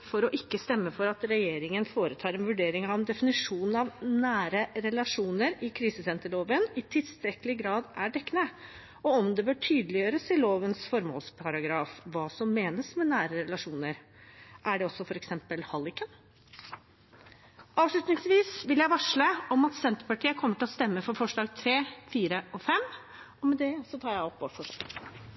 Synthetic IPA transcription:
fɔɾɔʔɪkːəst̪ɛmːəfɔɾɑt̪ɾɛjeːɾɪŋənfoːɾət̪ʰɑːɾɛnʋʉɖeːɾɪŋɑʋɛnd̪ɛfɪnɪʂuːnɑʋnæːɾəɾɛlɑʂuːnəɾɪkʰɾiːsəsɛnt̪əɭoːʋənɪt̪ʰɪlst̪ɾɛkəlɪɡɾɑːd̪æɖɛkːnə | ɔɔmd̪ɛbøːʈʰyːd̪əlɪjøːɾəsɪloːʋənsfɔɾmo̰lspʰɑɾɑɡɾɑːfʋɑːsɔmːeːnəsmɛnæːɾəɾɛlɑʂuːnəɾ | ʔæɖɛɔsːɔfɔɾɛksɛmpəlhɑlɪkən | ʔɑːʋʂɭʉt̪nɪŋsʋiːsʋɪljæɪʋɑʂɭəɔmɑt̪sɛnt̪əɾpɑʈʰiːəkʰɔmːəʈɪlɔst̪ɛmːəfɔɾfɔʂɭɑːɡt̪ʰɾeːfiːɾəʔɔfɛm | ɔmɛd̪ɛsɔt̪ʰɑːɾjæɪɔpːɑfɔʂɑ̰

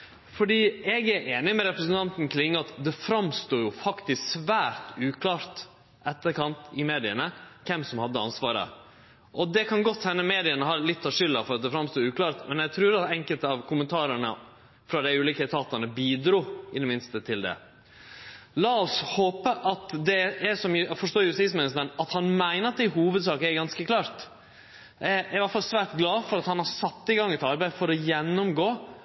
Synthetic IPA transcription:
fɔɖiːɛɡæɾʔeːnɪmɛɾɛpɾəsənt̪ɑnt̪n̩kʰlɪŋːəɑt̪d̪ɛfɾɑmst̪uːjʊfɑkt̪ɪsksʋæːɾt̪ʉːkʰlɑːɾt̪ | ʔɛt̪ːəɾkɑnt̪ɪmeːd̪ɪəɳəkʰɛmsɔmhɑd̪ːəɑ̰nsʋɑːɾə̰ | ʔɔd̪ɛkʰɑnɡɔt̪ːhɛnːəmeːd̪ɪənəɦɑːlɪt̪ʰːɑʋʂʏlːɑfɔɾɑt̪̚d̪ɛfɾɑmst̪uːʉːkʰlɑːɾt̪mɛnɛɡt̪ʰɾʉːɾɑt̪ɛŋkəlt̪əɑʋkʰʊmənt̪ʰɑːɾəɳə | fɾɑd̪æɪʉːliːkəɪt̪ʰɑːt̪ɑɳəbiːd̪ɾuːɪd̪ɛmɪnst̪ət̪ʰɪld̪ɛ̰ | lɑːɔshoːpəʔɑt̪d̪ɛɛsɔmfɔʂʈ̪oːɾjʉsɪsmɛnəsmənɑt̪hɑnmæɪnəɾɑt̪̚d̪æhuːʋəd̪sɑːkəɛɾɡɑnskəkʰlɑːɾt̪ | æɪæɪʋæʈfɑlsʋæːʈ̪ɡlɑːfɔɾɑt̪hɑnhɑsɑt̪ːɪɡɑŋːɛt̪ɑɾbæɪfɔɾɔjɛnːʊmɡoː

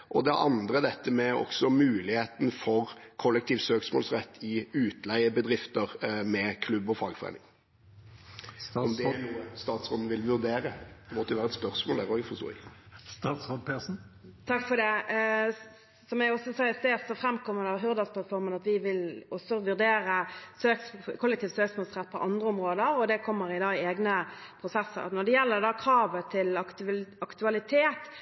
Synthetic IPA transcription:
ʔɔd̪ɛʔɑ̰nd̪ɾəd̪ɛt̪ʰːəmɛɔ̰ksɔmʉːlɪheːt̪nfɔʁkʰɔlːɛk̚t̪ʰiːʋsøːksmɔ̰ːlsʁɛt̪ʰːɪʉːt̪læɪəbəd̪ɾɪft̪əɾmɛkʰlʉbːɔfɑːɡfɔɾæ̰ɪnɪ̰ŋ | ɔmd̪ɛɛnuːəst̪ɑːt̪sʁoːd̪n̩ʋɪlʋʉʁd̪eːɾəd̪ɛmɔt̪ːəɛʋæːɾəɛt̪spœʁsmoːlæɾoːɡfɔʁst̪o̰ːɛ̰ɡ̪ | sopen̩ | t̪ʰɑkːfɔd̪ɛ | sɔmjæɪɔsːɔsæɪəst̪eːsɔfɾɛmːkʰɔmːəd̪ɑːɦʉʁd̪ɑspʰlɑt̪fɔɾmənɑt̪ʋɪʋɪlɔsɔʋʉʁd̪eːɾəsøːkskʰʊlːɛkt̪iːft̪søːksmɔːlsʁɛt̪̚ːpʰɔ̰ʔɑnd̪ʁəɔmʁoːd̪əɾɔd̪ɛkʰɔmːəɾɪd̪ɑːɪeːɡnəpʰɾʊsɛsːə̰ɾnɔd̪ɛjɛlːəd̪ɑːkʰɾɑːʋət̪ʰɪlɑɑkt̪ʉɑlɪt̪ʰeːt̪

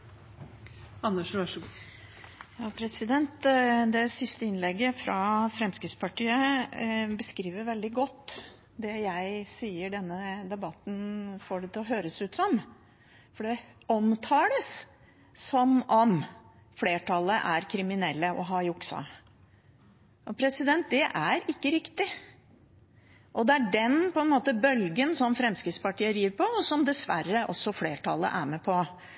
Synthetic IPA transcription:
ɑnːəʂʋɑʂɡ | jɑːpʰɾɛsɪd̪ɛnt̪d̪ɛsɪst̪əɪnlɛɡːəfɾɑfɾɛmskɾɪt̪spʰɑʈiːə | bəskɾiːʋəɾʋɛld̪ɪɡɔt̪ː | d̪ɛjæɪsiːəɖɛnːəd̪ɛbɑt̪ːn̩fɔɖɛt̪ʰɪɔɦøːɾəsʉːt̪sɔm | fɔɖɛɔmt̪ʰɑːləsː | ɔmɔm | fleːʈʰɑlːəʔæɾkʰɾɪmɪnɛlːəʔɔɦɑjʊksɑ̰ | ʔɔpʰɾɛsɪd̪ɛnt̪̚d̪ɛʔæɾɪkːəɾɪkt̪ɪ | ʔɔd̪ɛæɖɛnpɔɛnmoːt̪əbœlɡənsɔmfɾɛmskɾɪt̪spɑʈʰiːəd̪ɾiːʋəɾpʰɔɔsɔmd̪ɛsʋæ̰ɾːəʔɔsːɔfleːʈʰɑ̰lːə̰ʔæɾmɛpʰɔ

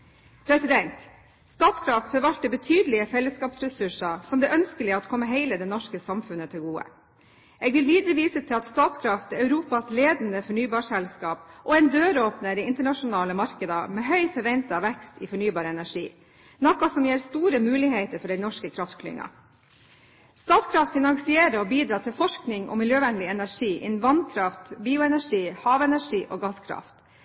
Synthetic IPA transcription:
pʰɾɛsɪd̪ɛnt̪ | st̪ɑːt̪skʰɾɑft̪fɔɾʋɑlt̪əbət̪ʰyːd̪əlɪəsɛlːəskɑːpsɾɛsʉʂɑsɔmd̪ɛːʔœnskəlɪəɑt̪kʰɔmːəɦeɪləd̪ɛnɔʂkəsɑmfʉnət̪ʰɪlɡuːə̰ | eːɡʋɪlʋiːd̪ɾəʋiːsət̪ʰɪlɑt̪st̪ɑːt̪skʰɾɑft̪œʉɾuːpɑsleːd̪nd̪əfɔɳyːbɑːʂɛlskɑːpʔɔɛɪnd̪øːɾoːpnəɾɛɪnt̪əɳɑʂʊnɑːləmɑɾkəd̪ɑmeːɦœʏfɔɾʋɛnt̪ɑʋɛkst̪iːfɔɳyːbɑːɾəɛnæʂiː | nɔkːɑsɔmjeːɾst̪uːɾəmʉːlɪɦeɪt̪əɾfɔɖɛɪnɔʂkəkʰɾɑft̪kʰlɪ̰ŋːɑ̰ | st̪ɑːt̪skʰɾɑft̪fɪnɑŋsɪeːɾəɔbiːd̪ɾɑːt̪ʰɪlfɔʂknɪŋʔɔ̰mɪljøːʋɛnlɪɛnæʂiːʔɪ̰nn̩ʋɑnkʰɾɑft̪biːʊɛnæʂiːhɑːʋɛnæʂiːʔɔːɡɑskʰɾɑ̰ft̪

